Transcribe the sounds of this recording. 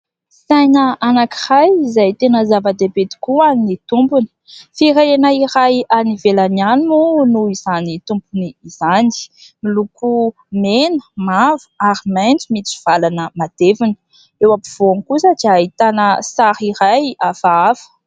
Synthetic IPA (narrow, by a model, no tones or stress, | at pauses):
sajnəanaki̥rajzajt̪enəzavəd̪ebet̪i̥kuanit̪umpuni̥fiɾeenaiɾajanivelananunuiz̥anit̪umpuniiz̥ani̥miluku | menə̥mavu̥aɾimajnt͡sumit͡si̥v̥alanəmad̪̥evini̥ | ewapiv̥oankusəd͡ʒait̪anəsaɾiɾajafaavə̥